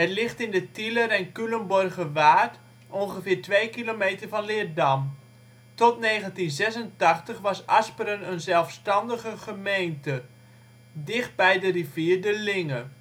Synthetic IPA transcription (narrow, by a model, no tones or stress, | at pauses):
ɦətlɪχtɪndətiləɾɛnkyləmbɔrɣəʋaːt | ʔɔnχəfɪːɹtʋejkilomeːtərvɑnlɪərdam | tɔtneːɣəntinzɛsəntɑχtəχʋɑsɑspəɾənənzɛlˠfstɑndəɣəχəmejntə | dɪχt̚bɛjdəriviːrdəlɪŋə